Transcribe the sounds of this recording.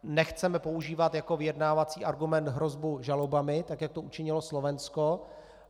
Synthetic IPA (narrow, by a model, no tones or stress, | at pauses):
nɛxt͡sɛmɛpo̞uʒiːvat̪jako̞vɪjɛdnaːvat͡siːʔaɾɡumɛnt̪ɦɾo̞zbuʒalobamɪt̪akjak̚t̪o̞ʔut͡ʃɪɲɪloslovɛnsko